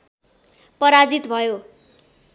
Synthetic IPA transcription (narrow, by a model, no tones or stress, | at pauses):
pʌɾad͡zit̪bʱʌjo